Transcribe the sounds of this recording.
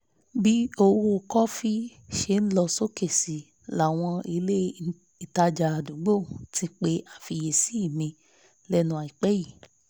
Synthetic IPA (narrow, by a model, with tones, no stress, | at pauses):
bi˦o˧wo˧˨kɔ˦fi˦ʃe˧˨n̩˦lɔ˧so˦ke˦˨si˨ | la˨w̃ɔ̃˧i˧le˦ | i˨ta˧d͡ʒa˧a˨dũ˨˦ɡ͡bo˦˨tĩ˧k͡pe˧ʔa˨fi˧je˨si˨˦i˦˨mĩ˧ | lɛ˦nũ˧a˨i˨k͡pɛ˦ji˦˨